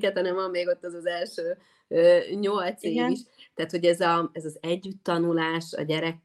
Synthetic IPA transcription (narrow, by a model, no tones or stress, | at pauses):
kɛt̪hɒnɛmɒmːeːɡo̞t̪ːɛzɒzɛlʃøː | øːɲo̞lt̪seːiʃt̪ɛaːt̪ho̞ɟɛzɒɛzɒzɛɟːyt̪ːɒnulaːʃɒ̰ɟɛɾɛk